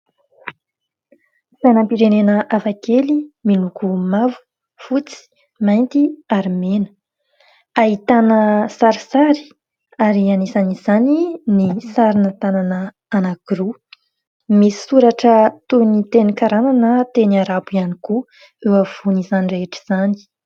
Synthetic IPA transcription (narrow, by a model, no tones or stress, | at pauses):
sajnampiɾenenəʔafakeliminukumavu̥ | fut͡si̥ | majnt̪iaɾimenə̥ | aɦit̪anəsaɾisaɾi̥ | aɾianizanizaninisaɾinət̪ananəː | naɡ̥ɾu | misi̥suɾaʈ͡ʂət̪unit̪enikaɾananət̪eniaɾabuianiku | ewav̥unizanireeʈ͡ʂi̥z̥ani̥